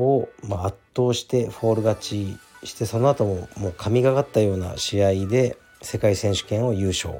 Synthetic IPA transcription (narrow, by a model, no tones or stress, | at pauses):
omaat̪ːo̞ːɕi̥t̪e̞ɸo̞ːɾɯ̟ɡat͡ɕiɕi̥t̪e̞so̞no̞at̪o̞momo̞ːkʰamʲiɡaɡat̪ːajo̞ːna̰ɕiaid̪e̞ | se̞kaisẽ̞ɰ̃ɕɨ̥kẽ̞ɰ̃o̞jɯ̟ːɕo̞̰ː